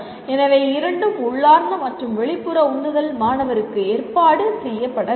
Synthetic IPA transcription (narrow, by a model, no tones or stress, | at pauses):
ɛnɐʋɐɪɪɾɐɳɖɯmʊɭːaːɾnd̪ɐmɐʈrɯmʋɛɭɪpːɯɾɐʊnːɯðɐlmaːnɐʋɐɾɯkːɯeːrpaːɽɯsɛjːɐpːɐɽɐ